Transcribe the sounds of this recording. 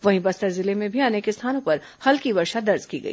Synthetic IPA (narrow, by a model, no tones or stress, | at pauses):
ʋɐɦĩbɐst̪əɾzɪlemẽbʱiaːnekest̪ʰaːnõpɐɾ | hɐlkibɐɾʃad̪ɐɾzkiɡɐ̰ḭː